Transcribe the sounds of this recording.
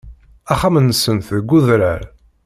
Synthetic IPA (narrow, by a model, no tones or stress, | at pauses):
æχamənːəsənθðɡʷːuðɾəɾ